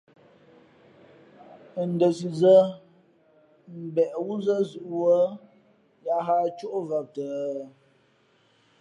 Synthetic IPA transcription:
n̩˨də˨si˨zə˦ | m̩˨bɛ˨ʔwu˦zə˦zu˨ʔwə˦ | ja˦ɦa˦t͡ʃo˦ʔva˨p̚tə˨

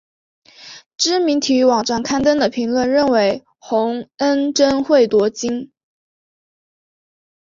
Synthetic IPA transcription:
ʈ͡ʂɻ̩˥mi˧˥ŋt̪ʰi˨˥wɑ˨˩ŋʈ͡ʂa˥˩nkʰa˥nt̪ə˥nd̪ə˨pʰi˧˥ŋlwə˥˧nɻə˥˩nwe˧˥ɪ | xʊ˧˥ŋə˥nʈ͡ʂə˥nxwe˥˩ɪt̪wɔ˧˥t͡ɕi˥n

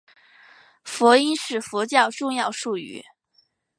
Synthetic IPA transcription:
fwɔ˧˥i˥nʂɻ̩˥˩fɔ˧˥t͡ɕjɑ˥˧ʊʈ͡ʂʊ˥˧ŋjɑ˥˧ʊʂu˥˩y̰˧˥

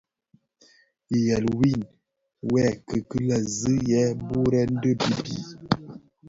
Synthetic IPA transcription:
i˨jɛ˨lwi˦˨n | wɛ˦˨kə˨kɨ˦la˨zɨ˦jɛ˨˦bu˦ɾɛ˦n̩˦də˦bi˦bḭ˦˨

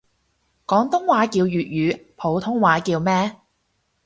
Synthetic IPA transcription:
kɔː˨˥ŋt̪ʊ˥ŋwaː˨˥kiː˧wjyː˨t̚jyː˨˧pʰo˨˧wt̪ʰʊ˥ŋwaː˨˧˥kiː˧wmɛː˥

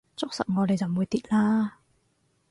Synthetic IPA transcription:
t͡ɕɔ˦˥k̚sa̰˧˨˩ŋɔ˨˧˩lə˨jzaː˨˩mːu˨˩əjt̪ḭ˧˥˦laː˧

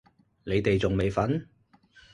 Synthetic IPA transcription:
ne˨˧jt̪e˨jt͡sʊ˨ŋme˨jfɐ˨˥n

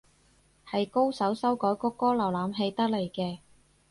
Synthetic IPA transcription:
hɐ˨jko˥wsɐ˨˥wsɐ˥wkɔː˨˥jkʊ˥kːɔː˥lɐ˨˩wlaː˨˥mɦe˧jt̪ɐ˥k̚le˨˩jkɛː˧

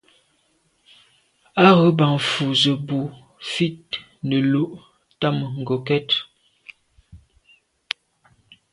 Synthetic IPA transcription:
a˦ɣə˨˦ba˨ŋfu˨zə˨bu˨ | fi˦t̚ | nə˨lo˦ʔ | ta˦mə˨ŋ̩˨ɡo˨kɛ˦t

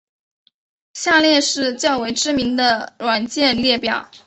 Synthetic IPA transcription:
ɕja˥˧ljɛ˥˧nʂɻ̩˥˧t͡ɕjɑ˥˩ʊwe˧˥ɪʈ͡ʂɻ̩˥mi˧˥ŋd̪ə˧lwa˨˩nt͡ɕjɛ˥˧nljɛ˥˩pjɑ˨˩˦ʊ

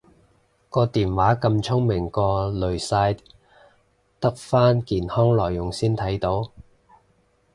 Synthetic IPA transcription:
kɔː˧t̪iː˨nwaː˨˥kɐ˧mt͡ʃʰʊ˥ŋmɪ˨˩ŋkɔː˧lɵ˨˩ɥsaː˧j | t̪ɐ˥k̚faː˥nkiː˨˩nhɔː˥ŋlɔː˨˩jːʊ˨˩ŋsiː˥nt̪ʰɐ˨˥jt̪o˨˥w

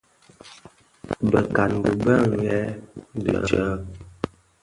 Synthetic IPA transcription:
bə˨ka˨nɡu˨bə˦˨ŋ˨˦ɡɛ˦də̰˨ə˦

